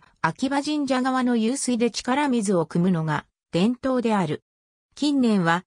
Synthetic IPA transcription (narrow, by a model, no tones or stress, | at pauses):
akʲibaʑĩɲ̟d͡ʑaɡaβano̞jɯːsɨid̪e̞t͡ɕi̥kaɾamʲizɨo̞kɯ̟mɯ̟no̞ɡa | d̪̥ẽ̞nt̪o̞ːd̪e̞aɾɯ̟ | kʲĩnːẽ̞ɰ̃βa